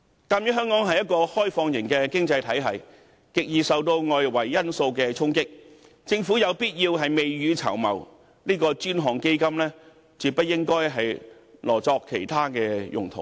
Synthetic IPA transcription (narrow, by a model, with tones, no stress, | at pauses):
kaː˧mjy˨˥ɦœː˥ŋkɔː˨˥ŋɦɐ˨jɐ˥t̚kɔː˧hɔː˥jfɔː˧ŋjɪ˨˩ŋkɛː˧kɪ˥ŋt͡sɐ˧jt̪ʰɐ˨˥jɦɐ˨j | kɪ˨k̚jiː˨sɐ˨wt̪o˧wŋɔː˨˧jwɐ˨˩jːɐ˥nso˧wkɛː˧t͡sʰʊ˥ŋkɪ˥k̚ | t͡sɪ˧ŋfuː˨˥jɐ˨˧wpiː˥t̚jiː˧wɦɐ˨jme˨jɥyː˨˧t͡sʰɐ̰˨˩wmɐ̰˨˩w | niː˥kɔː˧t͡ʃyː˥nɦɔː˨˩ŋke˥jkɐ˥mlɛː˥ | t͡syː˨˩pɐ˥t̚jːɪ˥ŋkɔː˥jɦɐ˨jlɔː˨˩t͡sɔː˧kʰːe˨˩jt̪ʰaː˥kɛː˧jʊ̰˨˩ŋt̪ʰʊ˨˩ŋ